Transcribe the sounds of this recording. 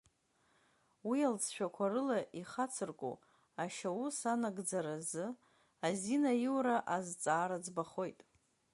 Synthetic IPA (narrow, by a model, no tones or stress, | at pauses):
wialt͡sʰʃᶣakʷʰarɨlaʔiχat͡sʰɨrkʷʼṵ | aʃawusanaɡd͡zaɾazɨ | azinajiwɾaʔazt͡sʼaːɾad͡zbaχo̞jtʼ